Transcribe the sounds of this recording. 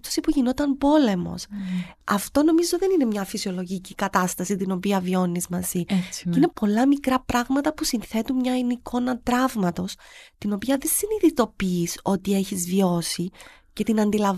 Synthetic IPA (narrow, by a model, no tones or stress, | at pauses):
t̪o̥sipuʝino̞t̪ɐnbo̞le̞mo̞̰sɐft̪o̞no̞mizo̞ðe̞nine̞mɲɐfisio̞lo̞ʝicikɐt̪ɐst̪ɐsit̪ino̞piɐvio̞nːizmɐziine̞po̞lɐmikɾɐpɾɐɣmɐt̪ɐpusinθe̞t̪ummɲɐinikʰo̞nɐt̪ɾɐvmɐt̪o̞st̪ino̞piɐðe̞siniðit̪o̞piːso̞t̪ie̞çizvjo̞si | ce̞t̪inɐnd̪ilɐ